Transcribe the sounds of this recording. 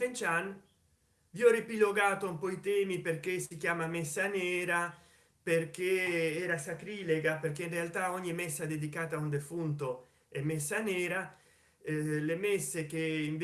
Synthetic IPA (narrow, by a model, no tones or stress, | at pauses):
t̪ent͡ʃan | viɔrepiloɡaːt̪oumpɔit̪ɛːmipeɾkesikjaːmamesːaneːɾa | perkeɛːɾasakɾileɡapeɾkeinrealt̪aoɲːimesːad̪ed̪ikaːt̪aund̪efunt̪o | emesːaneːɾa | lemesːekeiɱv